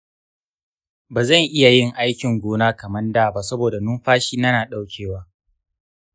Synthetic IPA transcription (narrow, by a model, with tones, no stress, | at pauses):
baː˨zɐ˦˨ŋʔɪ˦ja˨jɪ˦ŋʔa˦jkʲɪ˨ŋɡʷoː˦naː˦kɐ˨mɐ˦ndaː˨ba˦˨sɐ˦boː˨da˨nʊ˦mɸaː˦ʃiː˦na˦naː˨ɗa˦wkʲʰeː˨waː˦